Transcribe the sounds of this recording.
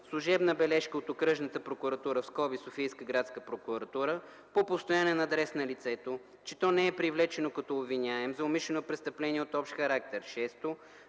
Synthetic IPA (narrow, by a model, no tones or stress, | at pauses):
slˠuʒɛbnəbɛlɛʃkəot̪okɾɤʒnət̪əpɾokuɾɐt̪uɾəfskɔbisofijskəɡɾat̪skəpɾokʊɾɐt̪uɾə | popost̪ojanɛnɐːd̪ɾɛsnɐlit̪sɛt̪o | t͡ʃɛ̥t̪ɔnɛɛpɾivlɛt͡ʃɛnokɐt̪ɔːbvinʲaɛmzɐʊmiʃlɛnopɾɛst̪əplɛniɛot̪ɔpʃt̪xɐɾak̚t̪ɛɾʃɛst̪o